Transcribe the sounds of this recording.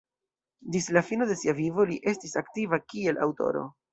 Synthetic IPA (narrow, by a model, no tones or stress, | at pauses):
dislafino̞de̞siavivo̞liʔe̞stisaktivakie̞lʔa̰wto̞̰ɾo̞̰